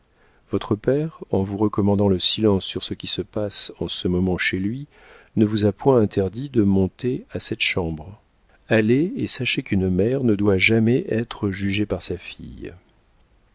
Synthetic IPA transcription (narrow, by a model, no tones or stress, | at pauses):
v̥ɔt̪χəpɛʁɑ̃vuʁəkɔmɑ̃d̪ɑ̃ləsilɑ̃sːyʁsəkʲisəpasɑ̃səmɔmɑ̃ʃelɥi | nəvuzapwɛ̃ɛ̃t̪ʰɛʁd̪id̪əmɔ̃t̪easɛt̪ʃɑ̃bʁ | aleesaʃekynmɛʁnəd̪waʒamɛʔɛt̪χəʒyʒepaʁsafḭj